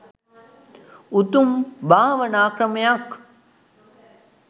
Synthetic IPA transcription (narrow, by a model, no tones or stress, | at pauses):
ut̪umbʱaːʋɐnaːkɾɐmjak